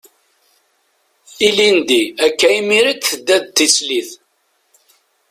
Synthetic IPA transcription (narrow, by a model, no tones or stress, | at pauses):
ilind̪iækːæimiɾit͡sθəd̪ːæðt̪ːisliθ